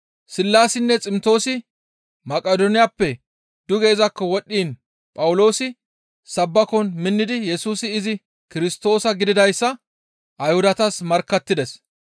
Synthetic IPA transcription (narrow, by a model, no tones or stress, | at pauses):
sɪlːaːsɪnːɛt͡sʼɪmt̪o̞ːsɪ | mɐkʼɐd̪ɔnɪjapːɛ | d̪̥ʊɡe̞ːzɐkːɔwɔɗːiːn | pʼɐwʊlo̞ːsɪ | sɐbːɐkɔnmɪnːɪd̪ɪjɛsuːsɪːzɪ | kɪɾɪst̪o̞ːsɐɡɪd̪ɪd̪ɐjsːɐ | ʔɐjhʊd̪ɐt̪ɐsmɐɾkːɐt̪ːɪd̪ɛs